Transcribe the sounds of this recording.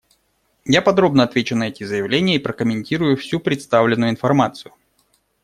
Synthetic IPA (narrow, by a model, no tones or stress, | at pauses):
japɐd̪ɾo̞bnəɐt̪vʲet͡ɕʊnɐɛtʲɪzəjɪvlʲenʲɪjəipɾəkəmʲɪnʲtʲiɾʊjʊfsʲupɾʲɪt̪st̪avlʲɪnːʊjʊɪnfɐrmat̪sɨjʊ